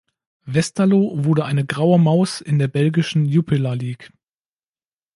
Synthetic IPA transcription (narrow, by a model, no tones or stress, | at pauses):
vɛstʰalovʊɐɾəʔaɪnəɡʁaʊəmaʊsɪndeːɐbɛlɡɪʃn̩juːpʰɪlaliːk